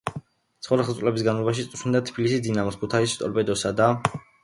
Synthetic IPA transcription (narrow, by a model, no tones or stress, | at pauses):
t̪sχɔɾɛχlˠt̪sʼlɛbisɡanlˠɔbaʃ̬it̪sʼɾʃind̪at̪ʰbilisisd̪inamɔskʰut̪ʰaist̪ʼɔ̰ɾpʼɛd̪ɔsad̪a